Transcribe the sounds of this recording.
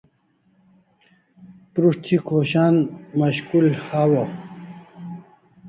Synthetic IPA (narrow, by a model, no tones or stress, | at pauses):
pɾuʂt͡ɕ̪ʰikʰoɕaːnmɐɕkulhaːwo